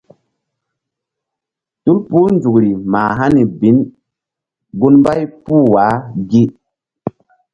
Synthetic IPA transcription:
tu˦lpu˦nd͡zu˨kɾi˨maː˨ɦa˦ni˨bi˨˦n | ɡu˦nmba˦jpu˦˨wa˨˦ɡi˦

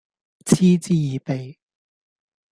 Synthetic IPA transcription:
t͡sʰiː˥t͡siː˥jiː˨˧pe˨j

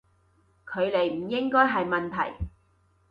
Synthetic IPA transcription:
kʰɵ˨˧ɥle˨˩jm̩˨˩jɪ˥ŋkɔː˥jɦɐ˨jmɐ˨nt̪ʰɐ˨˩j

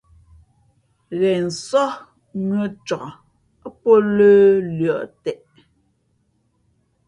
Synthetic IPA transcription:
ɣɛ˨n̩˨sɔ˦ | nwə˦t͡ʃɔ˨˦ | po˦ləː˦lɥjɔ˨ʔtɛ˨ʔ

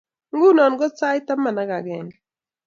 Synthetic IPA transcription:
ŋ̩˦ɡu˦nɔ˨nɡɔ˦t͡sa˦jta˦ma˨na˨˦ka˨ɡɛ˨ŋ

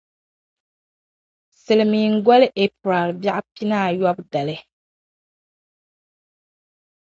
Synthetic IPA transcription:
sɨ˨lɨ˨mi˨ŋ̩˦ɡɔ˦lɨ˦ʔe˦pɾa˨lba˦ʔpi˦naː˦˨jɔ˦bda˨lɨ˦

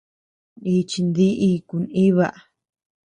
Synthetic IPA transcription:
i˧t͡ʃi˧nd̪i˦ʔi˧ku˧nĩ˦βa˧ʔ

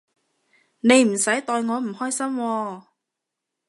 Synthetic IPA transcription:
ne˨˧jm̩˨˩sɐ˨˥jt̪ɔː˧jŋɔː˨˧m̩˨˩hɔː˥jsɐ˥mwɔː˧

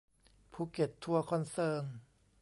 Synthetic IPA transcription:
pʰuː˧˩ke˨˩t̪ʰːu˧ɐkʰɔ˧nsɤː˧ŋ

